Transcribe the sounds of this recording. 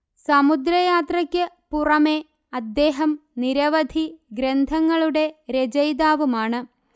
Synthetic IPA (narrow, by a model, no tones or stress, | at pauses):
sɐmud̪ɾɐjaːt̪rɐkʲːɨpurɐme̞ | ɐd̪ːe̞ːɦɐmniɾɐʋɐd̪ʱiɡɾend̪ʱɐŋːɐɭuɽe̞ɾed͡ʑɐjd̪aːʋumaːɳɨ